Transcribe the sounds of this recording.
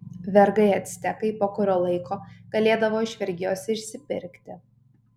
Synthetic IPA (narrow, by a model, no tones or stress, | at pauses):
ʋʲɛɾɡɐɪɐt̪ʲsʲt̪ʲɛkɐɪpoːkʊɾʲoːlˠɐɪkʰoːɡ̥ɐlʲeːd̪ɐʋoːɪʃʲʋʲɛɾʲɡʲɪjoːsʲɪʃʲsʲɪpʲɪ̰ɾʲkt̪ʲɪ